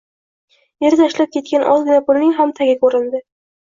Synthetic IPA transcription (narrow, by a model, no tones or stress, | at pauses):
jeɾɪt̪ʰaʃlap̚kʲʰe̞t̪̚kʲanʔɒzɡʲɪnapʊlnɪŋɦamt̪ʰaɡʲakʰɵɾɪnd̪ɪ